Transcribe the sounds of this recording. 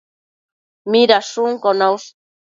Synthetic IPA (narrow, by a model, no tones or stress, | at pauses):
miɾasuŋkonaws